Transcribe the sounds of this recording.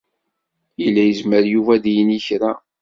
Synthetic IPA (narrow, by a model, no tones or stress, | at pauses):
ilːæjəzməɾjuvæðjənəçɾa